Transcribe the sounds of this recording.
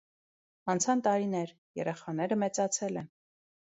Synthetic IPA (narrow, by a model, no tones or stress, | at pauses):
ɑnt͡sʰɑnt̪ɑɾinɛɾ | jɛ̰ɾɛχɑnɛɾəmɛt͡sɑt͡sʰɛlɛn